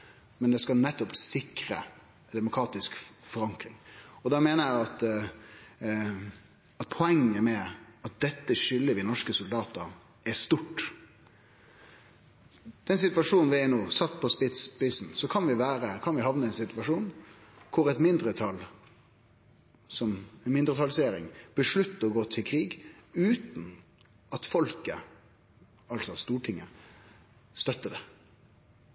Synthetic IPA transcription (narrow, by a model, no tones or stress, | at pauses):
mɛnd̪ɛskɑnɛt̪ːɔpsɪkɾə̰ | d̪ɛmʊkʰɾɑːt̪ɪskfɔɾɑŋkɾɪŋɔd̪ɑːmeːnəjæɪɑt̪ | ɑt̪̚pʰɔɛŋːəmɛɑt̪̚d̪ɛt̪ːəʂʏlːəʋɪnɔʂkəsʊld̪ɑːt̪ə | ɛst̪ʊʈː | d̪̥ɛnsɪt̪ʋɑʂuːnnʋɪɛnoːsɑt̪ːpʰɔspɪspɪsn̩sɔkʰɑnʋɪʋæːɾəkʰɑnʋɪhɑʋnəɛnsɪt̪ʋɑʂuːn | kʰʊʁɛt̪mɪnd̪ʁət̪ʰɑl | sɔmɛnmɪnd̪ʁət̪ʰɑlseːɾɪ̰ŋb̥əʂɭʉt̪ːəɔɡoːt̪ʰɪlkʰʁiːɡʉːt̪n̩ | ʔɑt̪fɔlkə | ɑlsɔst̪uːʈʰɪŋːə | st̪œt̪ːəd̪ɛ